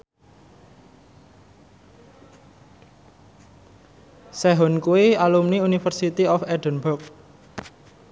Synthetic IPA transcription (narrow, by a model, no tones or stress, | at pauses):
sɛɦɔnkuwialumniunifərsit̪iɔfɛdənbʊk̚